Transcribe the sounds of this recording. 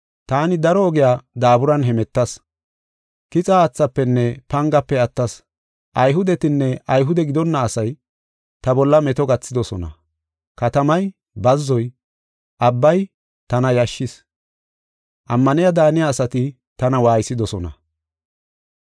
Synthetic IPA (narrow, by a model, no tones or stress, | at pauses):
t̪aːnɪd̪ɐɾɔːɡɪjaːd̪aːbʊɾɐnɦɛmɛt̪ːɐs | kɪt͡sʼaːt͡sːɐpːɛnːɛpɐŋɡɐpːɛɐt̪ːɐs | ʔɐjɦʊd̪ɛt̪ɪnːɛʔɐjɦʊd̪ɛɡɪd̪ɔnːɐːsɐj | t̪ɐbɔlːɐmɛt̪ɔɡɐt͡sːɪd̪ɔsɔnɐ̰ | kɐt̪ɐmɐj | bɐzːɔj | ʔɐbːɐj | t̪ɐnɐjɐʃːɪs | ʔɐmːɐnɪjad̪aːnɪjaːsɐt̪ɪ | t̪ɐnɐwaːjsɪd̪ɔsɔnɐ̰